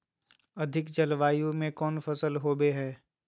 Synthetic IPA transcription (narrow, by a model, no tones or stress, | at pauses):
ɐd̪ʱɪkd͡ʒɐlʋaːjũmẽkɔːnfɐsəlɦoːbeɦɛː